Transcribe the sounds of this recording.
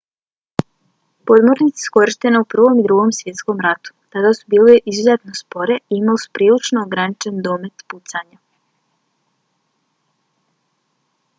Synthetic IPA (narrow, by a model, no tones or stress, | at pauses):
po̞d̪mo̞ɾnit̪si̥sko̞ɾiʃt̪e̞neupr̩ʋo̞mid̪ɾuɡo̞msʋje̞t̪sko̞mɾat̪u̥t̪ad̪asu̥biːliʔizuzet̪no̞spo̞ɾeiimalisu̥pɾiːlit͡ʃnoːɡɾanit͡ʃe̞nd̪o̞ːme̞t̪put̪saɲa